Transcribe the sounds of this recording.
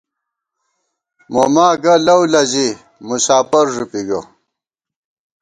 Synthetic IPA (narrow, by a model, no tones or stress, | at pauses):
mo̰maːɡɐlɐwlɐzi | musaːpɐɾʐupiɡɐ